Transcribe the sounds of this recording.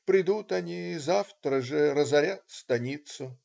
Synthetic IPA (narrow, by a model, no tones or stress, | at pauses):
pɾʲɪd̪ut̪ɐnʲiːzaft̪ɾəʐɨɾəzɐɾʲat̪st̪ɐnʲit̪sʊ